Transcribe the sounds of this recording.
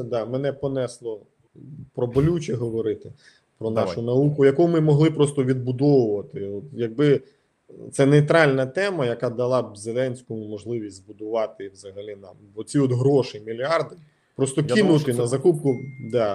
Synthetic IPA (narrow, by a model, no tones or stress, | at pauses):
d̪ɑmɛnɛpɔnɛslˠɔ | pɾɔbɔlʲut͡ʃɛɦɔʋɔɾɪt̪ɪ | pɾɔnɑʃʊnɐukʊjɐkɔʊmɪmɔɦlˠɪpɾɔst̪ɔʋʲid̪̚bʊd̪ɔwʊʋɐt̪ɪɔt̪jɐɡ̚bɪ | t̪sɛnejt̪ɾɑlʲnɐt̪ɛmɐjɐkɑd̪ɐlˠɑzelˠɛnʲsʲkʊmɔʒlˠɪʋʲisʲtʲzbʊd̪ʊʋɑt̪ɪwzɐɦɐlʲinɑ̰mbɔt͡sʲiɔt̪ɦɾɔʃɪmʲilʲɑrd̪ɪ | pɾɔst̪ɔkinʊt̪ɪnɐzɐkup̚kʊd̪ɑ